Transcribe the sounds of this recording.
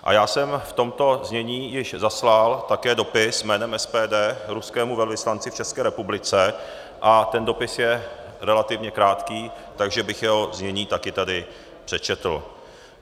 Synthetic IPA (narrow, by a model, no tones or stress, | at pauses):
ʔa̰jaːsɛmft̪o̞mt̪o̞zɲɛɲiːjɪʃzaslalt̪akɛːdo̞pɪsmɛːnɛmʔɛspɛːdɛːɾuskɛːmuvɛlvɪslant͡sɪft͡ʃɛskɛːɾɛpublɪt͡sɛ | ʔat̪ɛndo̞pɪsjɛ | ɾɛlat̪ɪvɲɛkɾaːt̪kiːt̪aɡʒɛbɪxjɛɦo̞zɲɛɲiːt̪akɪt̪adɪ | pr̝̥ɛt͡ʃɛt̪l̩